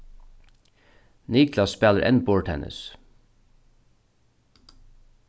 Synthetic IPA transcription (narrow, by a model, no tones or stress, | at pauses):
niːkʰlɑsspæːləɾʔɛ̰nboːɹʈhɛ̰nʔə̰s